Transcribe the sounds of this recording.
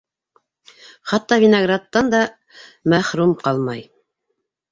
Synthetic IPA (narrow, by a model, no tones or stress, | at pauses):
χɑt̪ːɑvʲɪnɐɡrat̪ːɑnd̪ɑ | mæχɾumqɑlˠmɑj